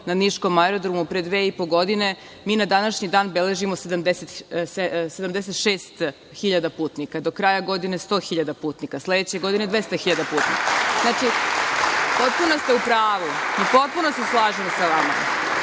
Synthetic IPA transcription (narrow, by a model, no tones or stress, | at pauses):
naniʃko̞maeɾod̪ɾomupɾed̪ʋeːipo̞ɡo̞d̪ine̞ | miːnad̪anaʃɲid̪aːnbele̞ʒimo̞se̞d̪amd̪eset̪sesed̪amd̪es̬et̪ʃeːst̪ | xiʎad̪apuːt̪nikad̪o̞kɾajaɡo̞d̪ine̞st̪o̞ːxiʎad̪apuːt̪nikasle̞d̪et͡ɕe̞ɡo̞d̪ine̞d̪ʋest̪axiʎad̪apuːt̪nḭkaznaːt͡ʃi | po̞t̪̚puno̞st̪e̞upɾaːʋuipo̞t̪̚puno̞se̞slˠaːʒimosaʋama̰